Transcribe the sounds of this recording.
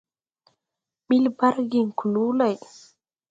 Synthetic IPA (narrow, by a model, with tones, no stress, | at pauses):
ɓi˦lba˦ɾɡi˨ŋku˨luːla˨j